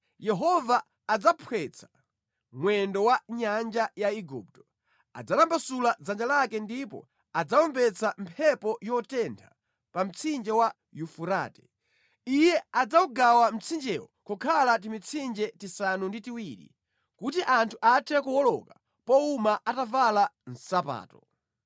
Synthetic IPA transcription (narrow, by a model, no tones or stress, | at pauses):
jɛɦɔvaː | d͡zapʰwɛt͡sʰḁ | mwɛndɔwaɲand͡ʒajaiɡṵp̚tɔ | a̰d͡zatambasulad͡zand͡ʒalakɛndipɔ̰ | ad͡zaɔmbɛt͡sʰam̩pʰɛpɔjɔtɛntʰa | pam̩t͡sʰind͡ʒɛwa | jufuɾaːtɛ̥ | ijɛad͡zauɡawam̩t͡sʰind͡ʒɛwɔkɔkʰalat̬imit͡sʰind͡ʒɛtisanunditiwiɾḭ | kutiʔantʰuʔatʰɛkuwɔlɔ̰ka | pɔumaʔatavalan̩sapa̰ːtɔ